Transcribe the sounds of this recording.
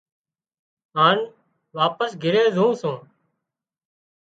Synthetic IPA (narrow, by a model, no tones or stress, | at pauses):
ɦaːn | ʋaːpəsɡʱɪɾeːzʱũːsõː